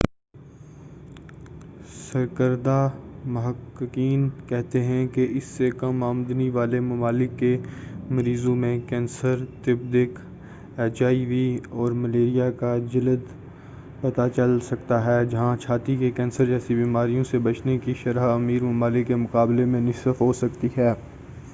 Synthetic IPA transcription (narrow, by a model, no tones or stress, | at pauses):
sɐɾkəɾd̪amʊɦəkːɪkiːnkɛɦt̪eɦɛ̃keɪsːekɐmaːmd̪niʋaːlemʊmaːlɪkːemɐɾiːzõmẽkɛ̃ːnsəɾt̪ɪbd̪ɪk | eːt͡ʃaːiʋiːɔːɾmɐleːɾijakad͡ʒɐləd̪ | pɐt̪at͡ʃɐlsɐk̚t̪aɦɛːd͡ʒɐɦãt͡ʃʰaːt̪ikekɛ̃ːnsəɾd͡ʒɛːsibiːmaːɾijõsebɐt͡ʃnekiʃɐɾaɐmiːɾmʊmaːlɪkːemʊkaːblemẽnɪsəfɦoːsɐkt̪iɦɛː